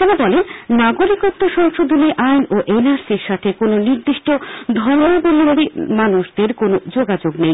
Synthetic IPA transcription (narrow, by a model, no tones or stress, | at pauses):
t̪enabɔlennaɡoɾikot̪ːoʃɔŋʃod̪ʱuliʔajnoʔenaɾsiɾʃat̪ʰekononiɾd̪iʃʈod̪ʱɔɾoeboliaɽimanuʃd̪eɾkonod͡ʑoɡad͡ʑoɡnej